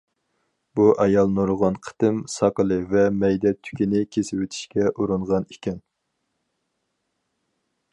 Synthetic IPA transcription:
buʔɑjɑlˠnoɾʊʁɑnqʰə̥t̪ɨmsɑqəlˠɨvɛmɛjd̪ɛt̪ʰy̥kʲinɪkʲʰesɪwet̪ʰi̥ʃkʲɛʔuɾɨɴʁɑnikʲɛn

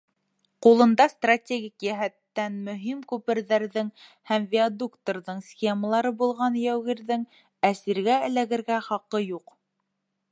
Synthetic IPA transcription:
qulˠɤ̆nd̪ɑst̪ratʲeɡʲikjæɦæt̪ːænmɵ̆ɦimkʉpɘ̆ɾðæɾðɘŋ | hæmvʲiad̪ukt̪oɾðɤɴsxʲeməlˠɑɾɤbulˠʁɑnjæwɣiɾðɘŋ | æsiɾɡæɘ̆læɣɘ̆ɾɡæχɑqɤjuq

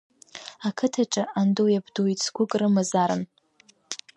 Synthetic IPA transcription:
akʰɨtʰaʈ͡ʂʼɨʔandojabdoit͡sʰɡʷʊkʼrɨmɨzaɾɨ̰n

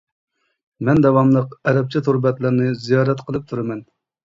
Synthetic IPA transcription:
mɛnd̪ɛwɑmlˠəqɛɾɛp̚t͡ʃʰɛt̪ʰuɾbɛt̪lɨɾnɨzijɑːɾɛt̪qʰəlˠɨp̚t̪ʰuɾɨmɛn

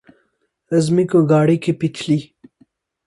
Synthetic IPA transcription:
ɐzmikõɡaːɽikʰepit͡ʃʰli

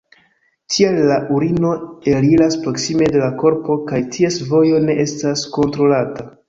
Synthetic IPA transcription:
tʰielːaʔuɾino̞e̞lilaspɾo̞ksime̞de̞lako̞ɾpo̞kajtʰie̞svo̞jo̞ne̞ʔe̞stasko̞ntɾo̞lata

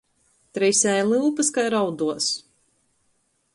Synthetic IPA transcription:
t̪ɾɛjsʲɛjlˠɨlˠpɨskajɾawd̪uɔs

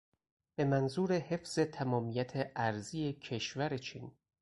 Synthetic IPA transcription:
b̥e̞mænzuːɾe̞he̞fz̥e̞t̪ʰæmɒːmiːjæt̪ʰeʔæɾziːecʰe̞ʃvæɾet͡ʃʰiːn

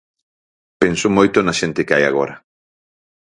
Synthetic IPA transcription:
pensʊmojt̪onɐʃent̪ɪkɪaja̰ɣ̞oɾɐ

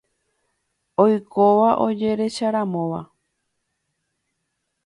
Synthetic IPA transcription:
ojkoʋaʔod͡ʒe̞ɾe̞ʃaɾãmõʋa

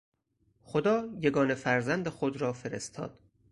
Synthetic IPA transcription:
xod̪ɒːjeɡɒːne̞fæɾzænd̪exod̪ɾɒːfe̞ɾḛst̪ʰɒ̰ːd̪̥

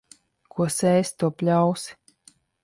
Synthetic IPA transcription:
kʰuɔsɛːst̪uɔpʲlʲaws

